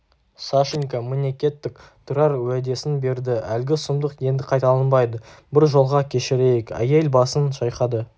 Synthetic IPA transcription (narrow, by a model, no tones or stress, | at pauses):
saʃɪŋkamenʲekʲe̞t̪ːɪk̚t̪ʰʊɾɑɾwæd̪e̞sɪnbe̞ɾd̪ɪælɡʲɪsʊmd̪əqje̞nd̪ɪqʰɑjt̪ɑlˠɑnbɑjd̪əbɪɾʒo̞lˠʁɑkʲʰe̞ʃɪɾe̞jekʲæ̰jelbɑsənʃɑjqɑd̪ə